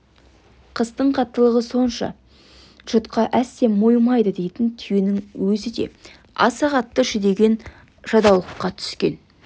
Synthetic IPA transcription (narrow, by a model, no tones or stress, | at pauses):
qʰəzt̪əɴqʰɑt̪ːəlˠəʁəso̞nʃɑ̰ | ʒ̥ʊt̪qɑʔæsːe̞mojmɑjd̪əd̪e̞jt̪ɪnt̪ʰyjenɪŋwɵzɪd̪e̞̰ | ɑ̰sɑʁɑt̪ːəʒʏd̪e̞ɡʲe̞n | ʒ̥ɑd̪ɑwlˠəqːɑt̪ʰʏ̥skʲe̞̰n